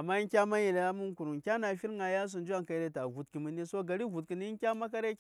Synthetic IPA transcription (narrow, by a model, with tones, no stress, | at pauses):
a˨mːa˦i˦kʲa˦ma˦je˨le˨ja˦mu˦nku˨ɾu˨kʲa˦na˨fi˦ɾŋa˨ja˦s̬u˨nd͡ʒu˦a˦˨ŋka˨je˦ta˨vu˨tki˨mi˦ne˦so˦ɡa˨ɾi˦vu˨tki˨ni˦i˦ŋ˦kʲa˦ma˦k̬a˦ɾe˦